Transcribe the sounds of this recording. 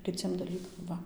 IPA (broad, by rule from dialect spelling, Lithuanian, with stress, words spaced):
kʲɪˈt͡sʲiɛm dɐˈlʲiːkɐm ˈʋɐ